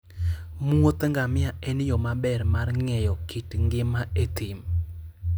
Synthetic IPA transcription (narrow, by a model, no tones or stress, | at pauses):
muot̪ŋɡamɪaenɪjɔmabɛrmarŋɛjɔkʰitŋɡɪmaet̪im